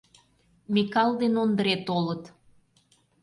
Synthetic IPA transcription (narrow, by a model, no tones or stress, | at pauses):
mikɑld̪enond̪əɾet̪olət̪